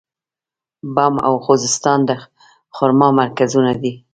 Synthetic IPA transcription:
bama̰wxozɪst̪ɑnd̪ə | xʊɾmɑmaɾkazunad̪i

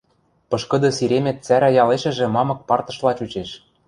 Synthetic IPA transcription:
pɤ̆ʃkɤ̆d̪ɤ̆siɾemĕt̪t͡sæɾæjɑleʃɘ̆ʒĕmɑmɤ̆k̚pɑrt̪ɤ̆ʃlɑt͡ɕut͡ɕeʃ

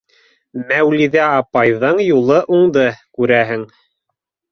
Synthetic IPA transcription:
mæwliðæɑpɑjðɤɴjulˠɤʔuɴd̪ɤkʉɾæɦɘŋ

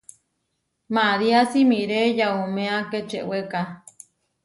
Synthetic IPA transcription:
maɾiasimĩɾejaumẽaket͡ʃḛweka

